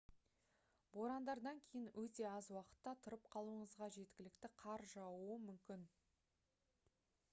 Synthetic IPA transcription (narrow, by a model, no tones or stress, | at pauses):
bo̞ɾɑnd̪ɑɾd̪ɑŋkʲʰe̞jɪnwɵt̪e̞ɑzwɑqə̥t̪ːɑt̪ʰʊɾəp̚qʰɑlˠuəɴəzʁɑʒe̞t̪kʲɪlɪkt̪ɪqʰɑɾʒɑwuəmʏmkʲɪn